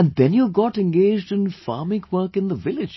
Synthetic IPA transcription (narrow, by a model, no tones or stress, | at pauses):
ə̃nðɛ̃njəɡɑʈɛ̃nɡeːd͡ʒdɪ̃nfɑ̰ːmɪ̃kʰwəːkɨ̃nd̪əvɪlɪ̥d͡ʒ